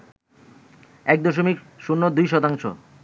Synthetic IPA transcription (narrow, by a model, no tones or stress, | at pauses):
ɛk̚d̪oʃomik | ʃunːod̪ujʃɔt̪aŋʃo̰